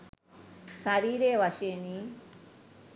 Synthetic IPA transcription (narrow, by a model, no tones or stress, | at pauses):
saɾiːɾeːʋaʃeni